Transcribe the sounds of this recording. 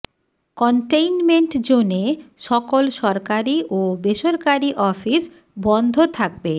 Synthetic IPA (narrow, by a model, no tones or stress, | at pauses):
kɔɳʈejnmeɳʈd͡ʑoneʃɔkolʃɔɾkaɾiʔobeʃoɾkaɾiʔɔfis | bɔnd̪ʱot̪ʰak̚be